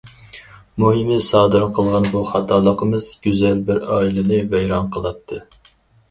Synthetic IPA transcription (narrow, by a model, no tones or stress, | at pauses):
muɦɨmɨsɑːd̪ɨɾqʰəlˠʁɑnbuχɑt̪ʰɑlˠəqʰəmɨz̥ɡʲyzɛlbɪɾɑːilˠɪnɨvɛjɾɑnqʰəlˠɑt̪ʰːɨ